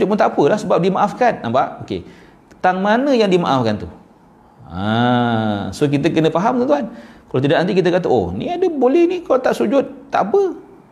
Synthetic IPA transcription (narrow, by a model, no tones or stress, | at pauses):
sud͡ʒʊt̪̚pʊnt̪aʔapəlahsəbap̚dimaʔafkanːampaʔokḛ | ət̪aŋmanə̃jaŋdima̰ʔafkant̪u | a̰ | sok̬it̪əkənə̃faɦamkəɡ̪uankalat̪idaʔnant̪ik̬it̪̬əkat̪əʔo̰nḭadəbolɛhnikalat̪aʔsud͡ʒʊt̪̚t̪ːaʔapə